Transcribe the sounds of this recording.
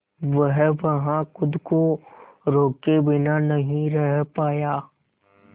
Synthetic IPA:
ʋəɦʋɐɦãxʊd̪ko | ɾoːkebɪnanɐɦĩɾɛɦpaːjaː

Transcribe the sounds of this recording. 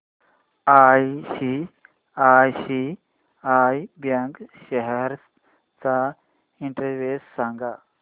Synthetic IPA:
ajɕi | ajɕi | ajbjãŋkɕɛɦɛɾ | t͡sa | iɳʈəɾʋessãŋɡa

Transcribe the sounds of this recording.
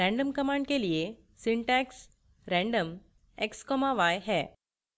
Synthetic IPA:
ɾɛ̃ɳɖəmkəmãɳɖkelije | siɳʈɛks | ɾɛ̃ɳɖəm | ekskɔmaʋajɦɛ

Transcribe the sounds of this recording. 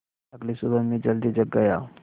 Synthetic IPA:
ɐɡlisubəmẽd͡ʒəld̪id͡ʒəɡːaja̰

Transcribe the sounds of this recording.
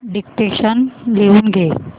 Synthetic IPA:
ɖik̚ʈeʃənleunɡe

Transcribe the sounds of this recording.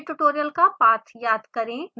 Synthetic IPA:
ʈuʈoːɾijəlkapaːt̪ʰjaːd̪kɐɾẽm

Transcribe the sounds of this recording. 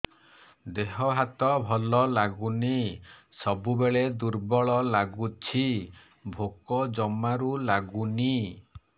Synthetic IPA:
d̪eɦɔɦat̪ɔbʱɔlɔlaɡuni | sɔbubeɭed̪uɾbɔɭɔlaɡut͡ʃʰi | bʱokɔd͡ʒɔmaɾulaɡuni

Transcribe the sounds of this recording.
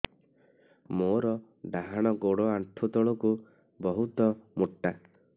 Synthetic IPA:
moɾɔ | ɖaɦaɽ̃ɔɡoɽɔaɳʈʰut̪ɔɭɔku | bɔɦut̪ɔmuʈːa

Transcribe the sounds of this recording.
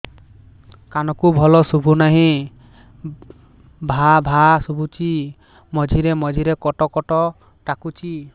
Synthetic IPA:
kanɔkubʱɔlɔsubʱunaɦĩ | bʱabʱasubʱut͡ʃi | mɔd͡ʒʱiɾemɔd͡ʒʱiɾekɔʈɔkɔʈɔ | ʈakut͡ʃi

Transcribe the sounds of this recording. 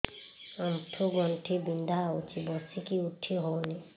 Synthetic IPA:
amʈʰuɡɔɳʈʰibind̪ʱaut͡ʃibɔsikiuʈʰːiɦoni

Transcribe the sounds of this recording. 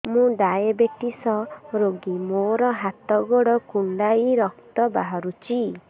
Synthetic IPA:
mũɖajebeʈisɔɾoɡimoɾɔɦat̪ɔɡɔɽɔkuɳɖaiɾɔk̚t̪ɔbaɦɔɾut͡ʃi

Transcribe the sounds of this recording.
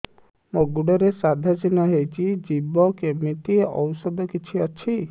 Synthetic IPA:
moɡuɖɔɾesad̪ʱasinaɦejt͡ʃʰid͡ʒibɔkemiʈieʔɔwsɔd̪ɔkit͡ʃʰiat͡ʃʰi

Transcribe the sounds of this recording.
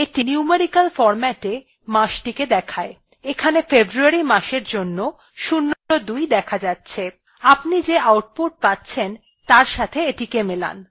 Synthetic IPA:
eʈiniumeɾikalfɔɾmɛʈe | maʃʈiked̪ɛkʰae | ekʰanefebɾuaɾimaʃeɾd͡ʑonːo | ʃunːood̪ujd̪ɛkʰad͡ʑatːɕʰe | apnid͡ʑeawʈ̚poʈ̚patːɕʰen | t̪aɾʃat̪ʰeeʈikemela̰n

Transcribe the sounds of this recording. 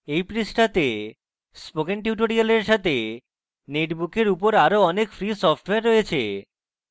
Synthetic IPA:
ejpɾisʈat̪e | spoɡenʈ̬juʈoɾialeɾʃat̪e | neʈbukeɾupoɾaɾoɔnekfɾisɔfʈweaɾːojet͡ɕʰḛ

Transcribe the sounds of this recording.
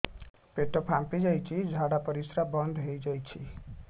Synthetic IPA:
peʈɔpʰãmpid͡ʒajt͡ʃʰid͡ʒʱaɽapəɾisɾabənd̪ʱɦojd͡ʒajt͡ʃʰi

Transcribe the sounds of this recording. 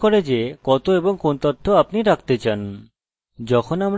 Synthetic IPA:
koɾed͡ʑekɔt̪oeboŋkont̪ɔt̪ʰːoapniɾak̚ʰt̪et͡ɕan | d͡ʑɔkʰonamɾ

